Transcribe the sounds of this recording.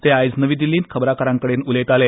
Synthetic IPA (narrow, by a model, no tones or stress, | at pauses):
t̪eajd͡znəʋiːd̪ilːiːnkʰəbɾakəɾãŋkəɽeːnulet̪ale